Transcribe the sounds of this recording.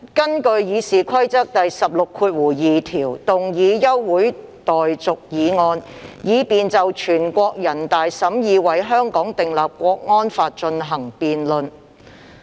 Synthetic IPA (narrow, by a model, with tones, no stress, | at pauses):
kɐ˥nkɵ˧ɥjiː˨˧siː˨kʷʰɐ˥jt͡sɐ˥k̚t̪ɐ˨jsɐ˨p̚lʊ˨kʰuː˧t̚wuː˨˩jiː˨t̪ʰiː˨˩wt̪ʊ˨˩ŋjiː˨˧jɐ˥wːuː˨˥j | t̪ɔː˨jt͡sʊ˨k̚jiː˨˧ŋɔː˧n | jiː˨˧piː˨nt͡sɐ˨wt͡ʃʰyː˨˩nkʷɔː˧k̚jɐ˨˩nt̪aː˨jsɐ˨˥mjiː˨˧wɐ˨˩jɦœː˥ŋkɔː˨˥ŋt̪ɪ˨ŋlaː˨p̚kʷɔː˧k̚ŋɔː˥nfaː˧t̚t͡ʃɵ˧nɦɐ˨˩ŋpiː˨nlɵ˨n